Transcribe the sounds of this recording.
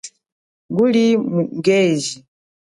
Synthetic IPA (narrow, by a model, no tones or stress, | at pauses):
ŋɡulimuŋɡɛzi